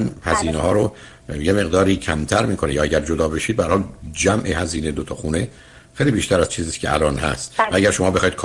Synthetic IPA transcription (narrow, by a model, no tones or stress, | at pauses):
nhæziːnehɒːɾo | jeme̞ɣd̪ɒːɾiːcʰæmt̪ʰæɾmiːkʰo̞nejɒːæɟæɾd͡ʒod̪ɒːbeʃiːd̪behæɾhːld͡ʒæmʔehæziːned̪ot̪ʰɒːxuːne̞ | xeːjliːbiːʃt̪ʰæɾæz̥t͡ʃʰiːziːscʰḛʔæ̰lɒːnhæ̰st̪vææɟæɾʃomɒːbe̞xɒːjid̪̥̚kʰː